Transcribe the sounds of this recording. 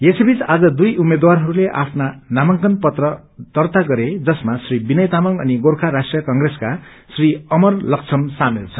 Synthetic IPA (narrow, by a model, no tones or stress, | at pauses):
jesebit͡sad͡zʌd̪ujʔumed̪warɦʌɾuleʔa̰pʰnanamʌŋkʌnpʌt̪rʌ | d̪̥ʌrt̪aɡʌɾed͡zʌsmasribinʌjt̪amʌŋʌ̰niɡorkʰaɾasʈrijʌkʌŋɡreska | sriʌmʌrlʌk̚t͡sʰʌmsamilt͡sʰʌ